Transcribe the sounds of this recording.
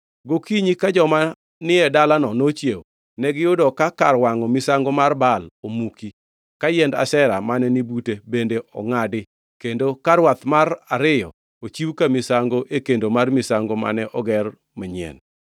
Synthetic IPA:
ɡokiɲikad͡ʒɔma | nɪɛdalanɔnot͡ʃjew | nɛɡɪjʊdɔkakarwaŋɔmɪsaŋɡomarbalomuki | kajɛnda̰sɛɾamanɛnibutebendeɔ̰ŋadɪ | kendokaɾwat̪maraɾɪjɔ | ot͡ʃiwkamɪsaŋɡoʔekendomarmɪsaŋɡoma̰nɛʔɔɡɛr | mɪɲɪɛ̰n

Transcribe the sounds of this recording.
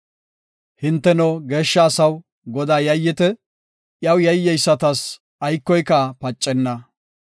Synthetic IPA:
hɪnt̪ːɛnoːɡe̞ːʃːɐːsɐw | ɡɔd̪aːjɐjːɪt̪ɛ | ʔjɐwjɐjːɛjsːɐt̪ɐs | ɐjkːɔjkɐpɐt͡ʃʼːɛnːɐ

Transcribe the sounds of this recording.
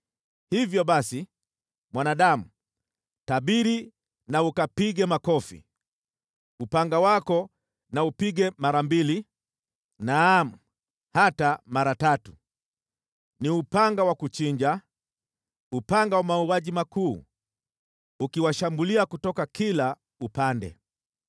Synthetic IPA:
hivjɔɓasi | mwanaɗamu | taɓiɾi | naukapiɡɛmakɔfḭ | upaŋɡawakɔ | naupiɡɛmaɾambili | nam̩ | hatamaɾatatu | niupaŋɡawakut͡ʃiɲd͡ʒa | upaŋɡawamauwaʄimakuː | ukiwaʃambuliakutɔkakila | upandɛ̰

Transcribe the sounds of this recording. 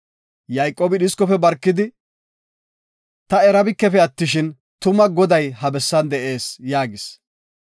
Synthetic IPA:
jɐjkʼːoːbɪɗɪskɔfɛbɐɾkːɪd̪ɪ | t̪ɐɛɾɐbɪkːɛfɛɐt̪ːɪʃ̬ɪn | t̪ʊmɐɡɔd̪ɐjhɐbɛsːɐnd̪ɛʔe̞ːsjaːɡɪs

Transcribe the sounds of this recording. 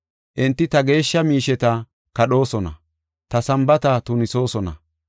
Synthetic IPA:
ʔɪnt̪ːɪt̪ɐɡe̞ːʃːɐmiːʃɛt̪ɐ | kɐɗo̞ːsɔnɐ̰ | t̪ɐsɐmbɐt̪ɐt̪ʊnɪso̞ːsɔnɐ̰

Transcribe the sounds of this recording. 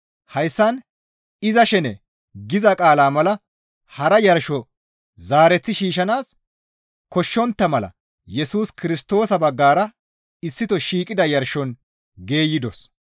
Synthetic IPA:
hɐjsːɐn | ɪzɐʃɛnɛ | ɡɪzɐkʼaːlaːmɐlɐ | hɐɾɐjɐɾʃɔ | zaːɾɛt͡sːɪʃiːʃɐnaːs | kɔʃːɔnt̪ːɐmɐlɐ̰ | jɛsuːskɪɾɪst̪o̞ːsɐbɐɡːaːɾɐ | ɪsːɪt̪ɔʃiːkʼɪd̪ɐjɐɾʃɔn | ɡe̞ːjɪd̪ɔs

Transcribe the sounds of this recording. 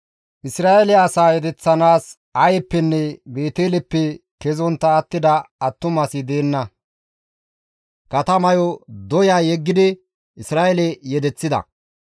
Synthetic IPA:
ʔɪsɾaːʔɛlɛɐsaːjɛd̪ɛt͡sːɐnaːs | ɐjɛpːɛnːɛbe̞ːt̪eːlɛpːɛkɛzɔnt̪ːɐːt̪ːɪd̪ɐɐt̪ːʊmɐsɪd̪e̞ːnːɐ | kɐt̪ɐmɐjɔd̪ɔjaːjɛɡːɪd̪ɪ | ɪsɾaːʔɛlɛjɛd̪ɛt͡sːɪd̪ɐ̰

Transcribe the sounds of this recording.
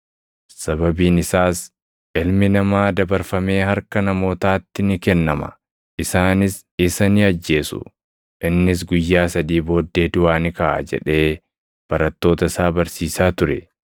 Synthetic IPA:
sɐbɐbiːnɪsaːs | ʔɪlmɪnɐmaːd̪ɐbɐɾfɐme̞ːhɐɾkɐnɐmo̞ːt̪aːt̪ːɪnɪkɛnːɐmɐ̰ | ʔɪsaːnɪs | ɪsɐnɪɐd͡ʒːe̞ːsʊ̰ | ʔɪnːɪs̬ɡʊjːaːsɐd̪iːbo̞ːd̪ːe̞ːd̪ʊwaːnɪkɐʔɐ̰d͡ʒɛ̰ᶑe̞ː | b̥ɐɾɐt̪ːo̞ːt̪ɐɪsaːbɐɾsiːsaːt̪ʊɾɛ

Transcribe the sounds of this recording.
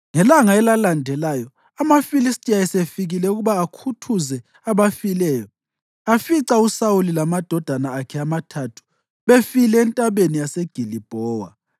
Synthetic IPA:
ŋɛlaŋaɛlalandʱɛlajɔ | amafilistʼijaɛsefiɣilɛuɣuβaːkʰutʰuzɛ | aβafilɛːjɔ | afiǀausaulilamad̥ʱɔd̥ʱanaːkʰɛamatʰatʰu̥ | βefilɛːntʼaβenijaseɡ̥ʱilib̥ʱɔːwa̰

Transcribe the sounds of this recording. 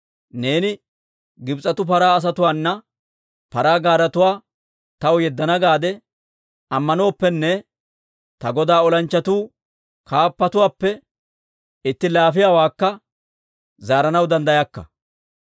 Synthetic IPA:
ne̞ːnɪ | ɡɪbsʼɐt̪ʊpɐɾaːɐs̬ɐt̪ʊwaːnːɐ | pɐɾaːɡaːɾɐt̪ʊwaː | t̪ɐwjɛd̪ːɐnɐɡaːd̪ɛ | ɐmːɐno̞ːpːɛnːɛ | t̪ɐɡɔd̪aːɔlɐnt͡ʃːɐt̪uː | kʰaːpːɐt̪ʊwaːpːɛ | ɪt̪ːɪlaːfɪjaːwaːkːɐ | zaːɾɐnɐwd̪ɐnd̪ɐjɐkːɐ̰

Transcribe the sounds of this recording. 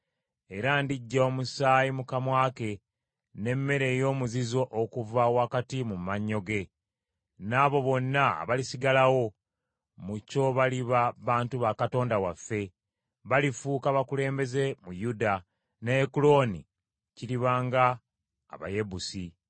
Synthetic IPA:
e̞ɾandiɟːaomusaːjimukamwaːke̞ | ne̞mːe̞ɾe̞ːjo̞ːmuzizo̞ʔokuvawakatimumaɲːo̞ɡe̞ | naβo̞βo̞nːaa̰βalisiɡalawo̞ | muco̞βaliβaβaːntuβakato̞ːndawafːe̞ | βalifuːkaβakule̞ːmbe̞ze̞mujuda | neːkulo̞nḭ | ciɾiβaːŋɡa̰ː | βa̰je̞busi

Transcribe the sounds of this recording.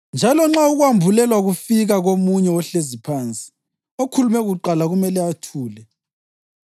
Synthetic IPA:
nd͡ʒʱalɔŋ͡ǁauɣwambʱulɛlwaɣufiɣaɣomuɲɛɔɬezipʰaːnt͡sʼi̥ | okʰulumɛɣuǃalaɣumɛlɛatʰuːlɛ

